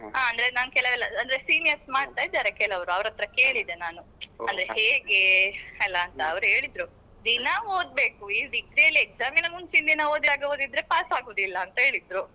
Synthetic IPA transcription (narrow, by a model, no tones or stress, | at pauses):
ɦaːɐnd̪ɐɾenaːnkɛlɐʋɛlːɐɐnd̪ɐɾesiːnijɐsmaːɖ̚t̪ajd̪aːɾekɛlɐʋɾuɐʋɐɾɐt̪ɾɐke̞ːɭid̪enaːnuɐnd̪ɐɾeheːɡe̞ɛlːɐːnt̪ɐːʋɾuɦe̞ːɭid̪ɾu | d̪inɐoːd̪̚be̞ːkuiːʋikɾijɐlːiek̚zaːminɐmunt͡ʃind̪inɐoːd̪id̪aːɡeo̞ːd̪id̪ːɾe̞paːsaːɡoːd̪ilːɐːnt̪ɐɦe̞ːɭid̪ɾu